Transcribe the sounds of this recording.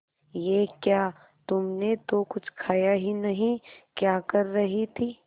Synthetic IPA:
jekjaː | t̪ʊmnet̪okʊt͡ʃʰkʰaːjaɦinɐɦĩkjaːkɐɾːɐɦit̪ʰiː

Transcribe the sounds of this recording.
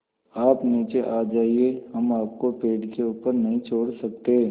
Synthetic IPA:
aːpniːt͡ʃeʔaːd͡ʒaːieɦɐmaːp̚kopeːɖkeuːpəɾnɐɦĩt͡ʃʰoːɽsɐk̚t̪eː

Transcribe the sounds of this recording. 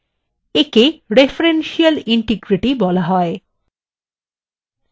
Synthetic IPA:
ekeɾefʰɾenʃialiɳʈiɡɾiʈibɔlaɦɔe

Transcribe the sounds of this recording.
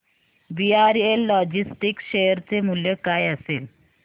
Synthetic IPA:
ʋiaɾelːɔd͡ʑisʈikɕejəɾt͡semuljəkajəsel

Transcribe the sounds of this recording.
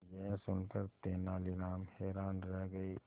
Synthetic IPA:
jɛɦsʊnkəɾt̪eːnaːliɾaːmhɛːɾaːnɾɛɦɡəiː

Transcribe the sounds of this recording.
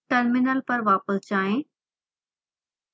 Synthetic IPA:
ʈəɾmɪnəlpəɾʋaːpəst͡ʃaːẽː

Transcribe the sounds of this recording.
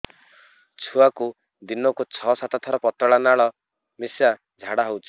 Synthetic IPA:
t͡ʃʰuaku | d̪inɔkut͡ʃʰɔsat̪at̪ʰɔɾɔpɔt̪ɔɭanaɭɔ | misa | d͡ʒʱaɽaɦowt͡ʃʰi̥

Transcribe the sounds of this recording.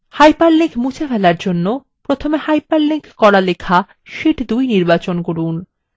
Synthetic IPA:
hajpaɾlikmut͡ɕʰafɛlaɾd͡ʑonːo | pɾot̪ʰomehajpaɾlikkɔɾalekʰa | ʃiʈd̪ujniɾbat͡ɕonkoɾun

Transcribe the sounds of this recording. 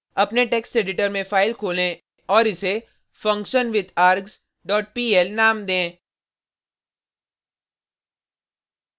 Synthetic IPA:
ɐpneʈeːksʈeːɖɪʈəɾmẽfaːɪlkʰoːlẽ | ɔːɾɪse | fɐ̃ŋkʃənʋɪd̪aːɾɡz | ɖɔːʈ̚piːɛlnaːmd̪ẽː

